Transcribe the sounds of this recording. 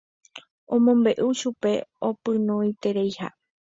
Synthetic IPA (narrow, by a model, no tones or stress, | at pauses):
õmõmbe̞ʔuʃupe̞opɨ̃nõit̪e̞ɾejha̰